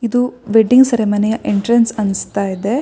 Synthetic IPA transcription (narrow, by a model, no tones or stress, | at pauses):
id̪uʋeɖiŋɡsɐɾemɐnejɐʔeɳʈɾɐnsɐnst̪aːjid̪e̞